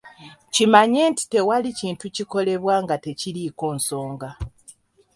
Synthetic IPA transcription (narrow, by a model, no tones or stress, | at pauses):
cimaɲe̞ːnti̥te̞waliciːntuciko̞le̞βwaːŋɡate̞ciliːko̞ːnso̞ːŋɡa